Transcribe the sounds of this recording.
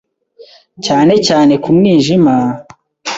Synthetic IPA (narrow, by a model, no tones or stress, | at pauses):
caːne̞caːne̞kumŋiːʒima